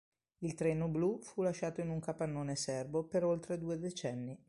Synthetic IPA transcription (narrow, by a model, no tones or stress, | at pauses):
ilt̪ɾɛːnoblufulaʃːaːt̪oinuŋkapanːoːnesɛrbopeɾolt̪ɾed̪uːed̪et͡ʃɛnːi